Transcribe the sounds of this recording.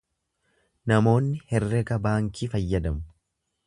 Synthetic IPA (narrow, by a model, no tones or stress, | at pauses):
nɐmo̞ːnːɪhɛrːɛɡɐbaːŋkʰiːfɐjːɐd̪ɐmʊ̥